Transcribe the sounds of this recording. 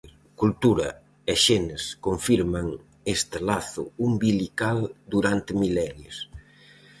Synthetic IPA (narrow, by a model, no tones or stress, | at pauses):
kult̪uɾɐ | eʃenɪskoɱfiɾmaŋ | est̪ɪlaθʊumbilikald̪uɾant̪ɪmilɛɾjes